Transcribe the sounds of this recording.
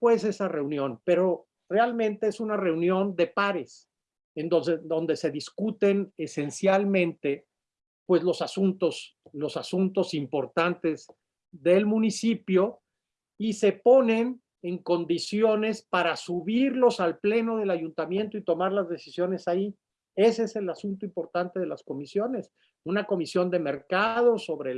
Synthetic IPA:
pwe̞se̞sare̞unjõ̞npe̞ɾo̞ | re̞almẽnt̪e̞esunare̞unjõ̞nd̪e̞paɾes | end̪oed̪o̞nd̪e̞se̞ðiskut̪e̞ne̞se̞nsjalmẽ̞nt̪e̞ | pwe̞zlo̞sasunt̪o̞slo̞sasunt̪o̞simpo̞ɾt̪ant̪e̞z | ðe̞lmũnisipjo̞ | ise̞po̞ne̞n | e̞ŋko̞nd̪isjo̞ne̞spaɾasuβiɾlo̞salple̞noðe̞laʝunt̪amjẽ̞nt̪oit̪o̞maɾlazðe̞si̥sjo̞ne̞sai | e̞seese̞lasunt̪oimpo̞ɾt̪ant̪e̞ðelasko̞misjo̞ne̞s | unako̞misjo̞nd̪e̞me̞ɾkaðo̞so̞βɾe

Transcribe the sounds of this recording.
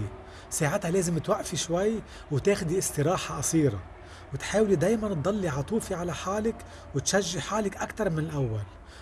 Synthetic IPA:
saːʕɪt̪haleːzɪmt̪waʔfiʃwajː | wt̪eːxd̪iʔɪsˤt̪ɪɾɑːħaʔɑsiːɾˤa̰ | wɪt̪ħaːwlid̪eːjmant̪̚d̪ˤɑlːiʕɑt̪ˤuːfiʕalaħaːlɪk | wɪt̪ʃaʒːɪħaːlɪkʔakt̪ɑɾˤmɪnɪlʔawːal

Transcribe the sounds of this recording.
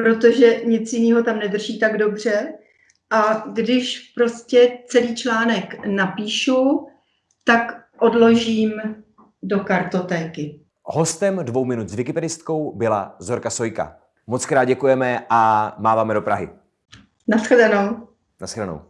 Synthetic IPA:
pɾo̞t̪o̞ʒɛɲɪt͡sjɪniːɦo̞t̪amnɛd̪r̩ʒiːt̪aɡdo̞br̝̥ɛ | ʔaɡdɪʃpɾo̞scɛt͡sɛliːt͡ʃlaːnɛknapiːʃu | t̪ak | ʔo̞dlo̞ʒiːm | do̞kaɾt̪o̞t̪ɛːkɪ | ho̞st̪ɛmdvowmɪnut̪zvɪkɪpɛdɪst̪ko̞wbɪla̰zoɾkasojka̰ | mot͡skɾaːd̪̚ɟɛkujɛmɛʔamaːvaːmɛdo̞pɾaɦɪ̰ | nasxdano̞w | nasxdano̰w

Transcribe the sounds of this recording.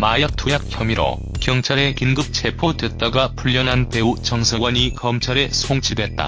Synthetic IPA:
majak̚tʰujak̚ʰçjʌmiɾo̰ | kjʌŋt͡ɕʰaɾe̞kinɡɯp̚t͡ɕʰe̞pʰodwe̞t̚t͈aɡapʰuʎːʌnɦanpeut͡ɕʌŋsʰʌɡwʌɲikʌmt͡ɕʰaɾe̞sʰoŋt͡ɕʰidwe̞t̚t͈a̰

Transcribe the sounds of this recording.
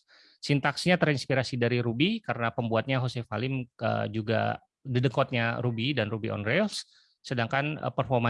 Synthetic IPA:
sint̪aksɲat̪əɾinspiɾasidaɾiɾubikaɾənapəmbuat̪̚ɲaɦosefalɪmə̰d͡ʒuɡa̰ | didəŋkɔt̪̚ɲaɾubidanrubiɔ̰nrelsː | ədaŋkanə̰pərfɔrma

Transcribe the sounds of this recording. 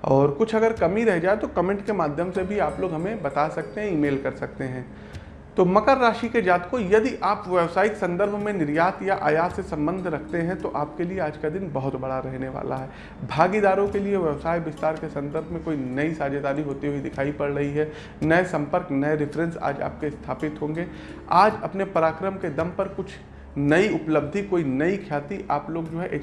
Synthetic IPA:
ɔːɾkʊt͡ʃʰɐɡəɾkɐmiɾɛɦd͡ʒaːet̪okɐmɛ̃ɳʈkemaːd̪ʱjəmsebʱiaːploːɡɦɐmẽbɐt̪asɐk̚t̪eɦɛ̃iːmeːlkɐɾsɐk̚t̪eɦɛ̃ː | t̪omɐkəɾːaːʃiked͡ʒaːt̪kojɐd̪iʔaːpʋɛʋsaːikesɐ̃nd̪əɾbʱmẽnɪɾjaːt̪jaʔa̰ːjaːt̪sesɐ̃mbə̃nd̪ʱɾɐkʰt̪eɦɛ̃t̪oʔaːp̚kelieaːd͡ʒkad̪ɪnbɐɦʊt̪bɐɽaɾɛɦneʋa̰ːla̰ɦɛ | bʱaːɡid̪aːɾõkelieʋɛʋsaːjbɪst̪aːɾkesɐ̃nd̪əɾbʱmẽkoːinɐisaːd͡ʒed̪aːɾiɦoːt̪iɦuid̪ɪkʰaːipɐɽɾɐɦiɦɛ | nɐesɐ̃mpəɾknɐeɾɪfɾɛ̃nsa̰ːd͡ʒa̰ːp̚kest̪ʰaːpɪt̪ɦõːŋ̆ɡeː | aːd͡ʒɐpnepɐɾaːkɾəmked̪ɐmpɐɾkʊt͡ʃʰ | nɐiʊpləb̚d̪ʱikoːinɐikʰjaːt̪iʔaːploːɡd͡ʒoːɦɛʔe

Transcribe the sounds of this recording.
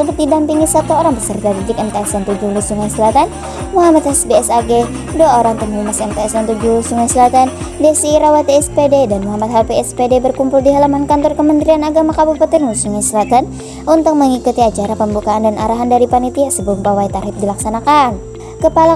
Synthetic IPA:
səbʊt̪̚didampiŋisat̪uoɾaŋbəsərt̪adid͡ʒɪkɛnt̪aɛsdant̪ud͡ʒulusuŋajsəlat̪an | muɦamat̪hɛsbeɛsaɡe | duaoɾaŋt̪umhumasɛmpeɛsant̪ud͡ʒulusuŋajsəlat̪andesiːɾawat̪iɛspededanmuɦamat̪̚ɦapeɛspedebərkumpuldiɦalamankant̪ɔrkəmənt̪ɾianaɡamakabupət̪ɪnlusuŋajsəlat̪an | ʔunt̪ʊk̚məŋikut̪iat͡ʃaɾapəmbukaːndanʔaɾaɦandaɾipanit̪iasəbəlʊmpawajt̪arhɪp̚dilaksanakan | kəpala

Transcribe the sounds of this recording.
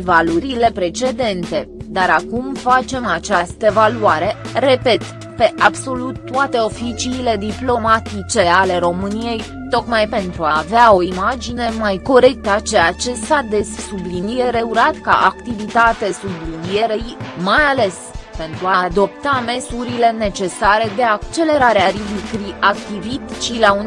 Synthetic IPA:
valuɾile̞pɾe̞t͡ʃe̞d̪e̞nt̪e̞d̪aɾakumfat͡ʃe̞mat͡ʃast̪əvaluaɾe̞re̞pe̞t̪ | pe̞ʔabso̞lut̪ːuat̪e̞o̞fit͡ʃiːle̞d̪iplo̞mat̪it͡ʃe̞ale̞ɾo̞mɨnije̞j | t̪o̞kmajpe̞nt̪ɾuaːveao̞imad͡ʒine̞majko̞ɾe̞k̚t̪at͡ʃejat͡ʃe̞sad̪e̞ssublinijeɾe̞uɾat̪ka̰ʔakt̪ivit̪at̪e̞sublinije̞ɾejmajale̞s | pe̞nt̪ɾuaːd̪o̞p̚t̪ame̞suɾile̞ne̞t͡ʃe̞saɾe̞d̪e̞akt͡ʃe̞le̞ɾaɾeaɾivikɾiʔak̚t̪ivit̪t͡ʃilaun

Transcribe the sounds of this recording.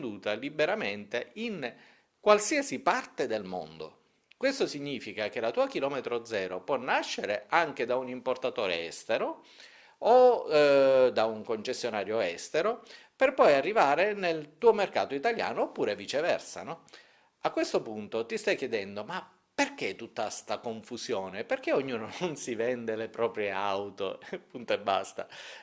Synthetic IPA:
d̪uːt̪alibeɾament̪ein | kwalsiasipart̪ed̪elmo̰nd̪o̰ | kwest̪osiɲːiːfikak̟elat̪uːak̟ilɔːmet̪ɾod̪zɛːɾopwɔnːaʃːeɾeaŋk̟ed̪aunimport̪at̪o̰ːɾḛɛ̰st̪eɾo | o | d̪auŋkont͡ʃesjonaːɾjoɛst̪eɾo | perpɔjarːivaːɾenelt̪uːomerka̰ːt̪oit̪alja̰ːnoːpːuːɾevit͡ʃevɛ̰rsa̰nɔ | akːwest̪opunt̪ot̪ist̪ajk̟ːjɛd̪ɛnd̪oma | perk̟et̪ːut̪ːast̪akoɱfusjoːneperkeoɲːuːnononsivɛnd̪elepɾɔːpɾjeawt̪o̰punt̪oebːa̰st̪a

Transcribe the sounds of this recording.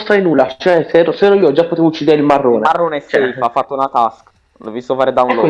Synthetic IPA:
st̪ɾajnuːlːat͡ʃɛsɛɾoseɾoiːoɔd͡ʒapːot̪eːvout͡ʃːiːd̪eɾeilmarːoːnemarːonɛst͡ʃɛiafːat̪ːounat̪ask | lovist̪ofaːɾed̪aunlː

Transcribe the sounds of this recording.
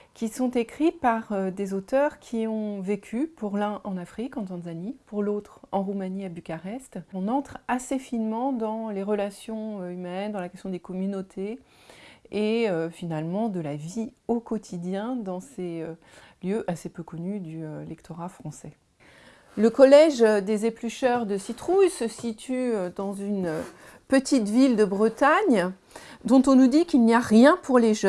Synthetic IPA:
kʲisɔ̃t̪ekχipaʁød̪ezot̪œʁkʲʰiɔ̃vekʲʰypuʁlɛ̃ʔɑ̃nafχikɑ̃t̪ɑ̃zanipuʁlot̪χɑ̃ʁumaniabykʲaʁɛst̪ɔ̃nɑ̃t̪χasefinmɑ̃d̪ɑ̃leʁəlasjɔ̃øymɛnd̪ɑ̃lakʲɛst̪jɔ̃d̪ekɔmynot̪ʰe | eøfinalmɑ̃d̪əlaviokɔt̪ʰid̪jɛ̃d̪ɑ̃seøljøʔasepøkɔnyd̪yølɛkt̪ʰɔʁafχɑ̃sɛ | ləkɔlɛʒd̪ezeplyʃœʁd̪əsit̪χujsəsit̪ʰyød̪ɑ̃zynø | pət̪ʰit̪vild̪əbʁət̪aɲ | d̪ɔ̃t̪ɔ̃nud̪ikilnijaʁjɛ̃pʰuʁleʒ

